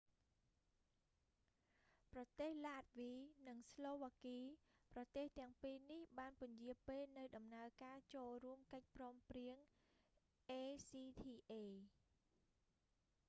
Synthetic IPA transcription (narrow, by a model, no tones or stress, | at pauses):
prɑt̪eːhlaːt̪̚ʋiːnɨŋsloːʋaːkiːprɑt̪eːht̪ɛ̆əŋpiːnihɓaːnpʊ̆əɲjiəpeːlnɨwɗɑmnaəkaːt͡ɕoːlruəmkəc̚prɔːmpriəŋ | ʔeːsiːt̪ʰiːʔeː